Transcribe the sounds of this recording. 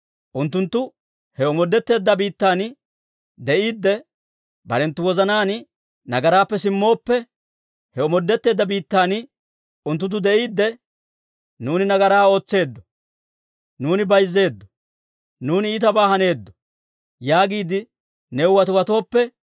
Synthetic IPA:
ʔʊnt̪ːʊnt̪ːʊ | hɛɔmɔd̪ːɛt̪ːe̞ːd̪ːɐbiːt̪ːaːn | d̪ɛʔiːd̪ːɛ | bɐ̰ɾɛnt̪ːʊwɔzɐnaːn | nɐɡɐɾaːpːɛsɪmːo̞ːpːɛ | hɛɔmɔd̪ːɛt̪ːeːd̪ːɐbiːt̪ːaːn | ʊnt̪ːʊt̪̬ːʊd̪ɛʔiːd̪ːɛ | nuːnɪnɐɡɐɾaːo̞ːt͡sːe̞ːd̪ːɔ̥ | nuːnɪbɐjzːe̞ːd̪ːɔ̥ | nuːnːt̪ɐbaːhɐne̞ːd̪ːɔ̥ | jaːɡiːd̪ɪ | nɛʊwɐt̪ʊwɐt̪o̞ːpːɛ

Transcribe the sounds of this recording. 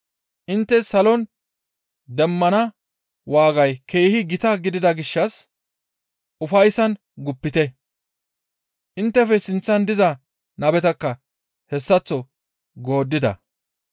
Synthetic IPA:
ʔɪnt̪ːɛsɐlɔn | d̪ɛmːɐnɐ | waːɡɐjkʰe̞ːhɪɡɪt̪ɐɡɪd̪ɪd̪ɐɡɪʃːɐs | ʔʊfɐjsɐn | ɡʊpːɪt̪ɛ | ʔɪnt̪ːɛfɛsɪnt͡sːɐnd̪ɪzɐ | nɐbɛt̪ɐkːɐ | hɛsːɐt͡sːɔ | ɡo̞ːd̪ːɪd̪ɐ̰

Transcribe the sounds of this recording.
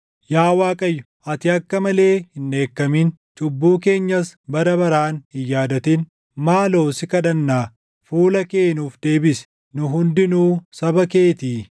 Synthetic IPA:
jaːwaːkʼɐjːʊ̥ | ɐt̪ɪɐkːɐmɐle̞ːhɪnːe̞ːkːɐmint͡ʃʼʊbːuːke̞ːɲːɐsbɐɾɐbɐɾaːnhɪjːaːd̪ɐt̪ɪn | maːlo̞ːsɪkɐᶑɐnːaː | fuːlɐke̞ːnuːfd̪e̞ːbɪsɛ̥ | nʊɦʊnd̪ɪnuːsɐbɐke̞ːt̪iː

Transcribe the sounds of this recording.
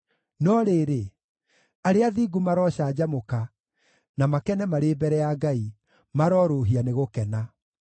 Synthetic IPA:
nɔɾeːɾe | aɾeaðiːɡumaɾɔːɕaːd͡ʑamoka | namakɛnɛmaɾeːbɛɾɛjaɡai | maɾɔːɾoːɦianeɣokɛna

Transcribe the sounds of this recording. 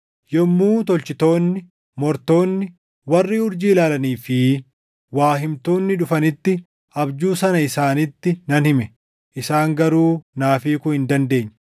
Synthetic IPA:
jɔmːuːt̪ɔlt͡ʃɪt̪o̞ːnːɪ | mɔɾt̪o̞ːnːɪ | wɐrːiːʊɾd͡ʒiːlaːlɐniːfɪ | waːɦɪmt̪o̞ːnːɪᶑʊfɐnɪt̪ːɪ | ʔɐbd͡ʒuːsɐnɐɪsaːnɪt̪ːɪnɐnhɪmɛ | ʔɪsaːŋɡɐɾuːnaːfiːkʊhɪnd̪ɐnd̪e̞ːɲː

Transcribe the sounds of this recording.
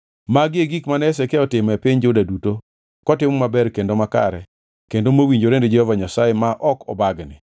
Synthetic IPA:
maɡeɡikmanɛs̬ɛkeɔtɪmɛpɪɲd͡ʒodaduto | kɔtɪmɔmabɛɾkendomaka̰ɾɛ | kendomowiɲd͡ʒoɾended͡ʒɛhɔvaɲasajemaʔɔkɔ̰baɡnɪ

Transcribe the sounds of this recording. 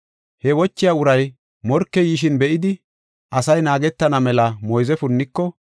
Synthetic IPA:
hɛwɔt͡ʃːɪjaʊɾɐj | mɔɾkːɛjiʃ̬ɪnbɛʔɪd̪ɪ | ʔɐsɐjnaːɡɛt̪ːɐnɐmɛlɐmɔjzɛfʊnːɪkːɔ

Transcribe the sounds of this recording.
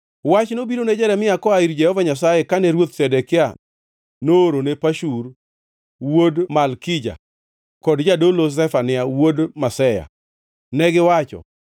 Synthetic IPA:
wat͡ʃnobiɾoned͡ʒɛɾɛmɪakɔaiɾd͡ʒɛhɔvaɲasajekanɛɾwot̪sɛdɛkɪa | noːɾonepaʃuɾ | wodmalkɪd͡ʒa̰ | kɔdd͡ʒadolos̬ɛfanɪawodmasɛja̰ | nɛɡɪwat͡ʃɔ̰

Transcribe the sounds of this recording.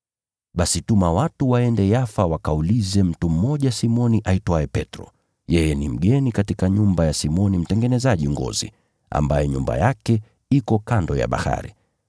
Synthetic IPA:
ɓasitumawatuwaɛndɛjafawakaulizɛm̩tum̩ːɔʄasimɔniʔaitwaɛpɛtɾɔ̰ | jɛjɛnim̩ɠɛnikatikaɲumbajasimɔnim̩tɛŋɡɛnɛzaʄiŋɡɔ̰zḭ | a̰mbajɛɲumba̰jakɛ | ikɔkandɔja̰ɓa̰ha̰ɾi

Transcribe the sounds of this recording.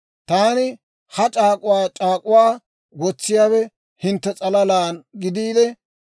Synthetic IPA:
t̪aːnɪ | hɐt͡ʃʼaːkʼʊwaːt͡ʃʼaːkʼʊwaː | ɡɔt͡sːɪjaːbɛ | hɪnt̪ːɛt͡sʼɐlɐlaːnɡɪd̪iːd̪ɛ

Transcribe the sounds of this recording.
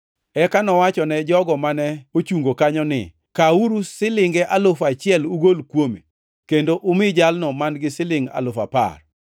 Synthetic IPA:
ɛkanɔwat͡ʃɔnɛd͡ʒɔɡɔmanɛot͡ʃuŋɡokaɲɔnɪ̰ | kauɾusɪlɪŋɡɛʔalofat͡ʃɪɛluɡolkwomḛ | kendoʔʊmɪd͡ʒalnɔmanɡɪsɪlɪŋa̰lofa̰pa̰r

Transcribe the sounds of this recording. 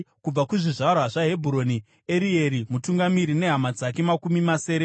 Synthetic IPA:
kub͡vakuʐiʐaraʐaɦe̞bʱuɾo̞ni | e̞ɾie̞ɾimutuŋɡamiɾine̞ɦamad͡zak̬e̞makumimase̞ːɾe

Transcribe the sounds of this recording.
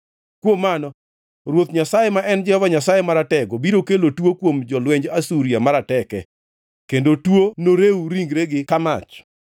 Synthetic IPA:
kwomːanɔ | ɾwot̪ɲasajemaʔɛnd͡ʒɛhɔvaɲasajemaɾatɛɡobiɾokelotwokwomd͡ʒɔlwɛɲd͡ʒasuɾiamaɾatɛkɛ | kendotwonoɾeuɾiŋɡɾeɡɪkama̰t͡ʃ

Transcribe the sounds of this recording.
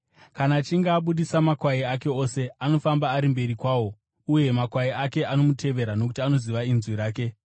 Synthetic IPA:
kanaːt͡ʃiŋɡaːɓuɗisamakwaiake̞o̞se̞ano̞fambaːɾimbe̞ɾikwaːwo̞ | uje̞makwaiake̞ʔano̞mutʰe̞ʋe̞ɾano̞ku̥tiano̞ziʋainzwiɾaːke̞

